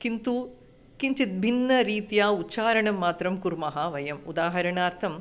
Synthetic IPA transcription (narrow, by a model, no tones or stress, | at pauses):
kint̪u | kiɲt͡ʃit̪̚bʱinːɐɾiːt̪jaːutːʃaːɾɐɳɐmːaːt̪ɾɐmkuɾmɐɦɐʋɐjɐmud̪aːɦɐɾɐɳaːɾt̪ʰɐm